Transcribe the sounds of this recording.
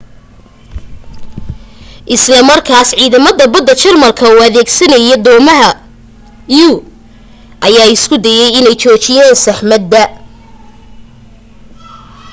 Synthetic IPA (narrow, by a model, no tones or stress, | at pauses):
ʔɪslɐmɐrkʰaːsʕiːðɐmɐðɐbɐd̪ːɐt͡ʃɐrmɐlkʰɐuːɐðɛːɡsɐnɐjɛd̪ɔːmɐɦɐ | juː | ʔɐjaːɪskʰʊd̪ɛjɛjɪnɛjt͡ʃɔːt͡ʃɪjaːnsɐħmɐd̪ːɐ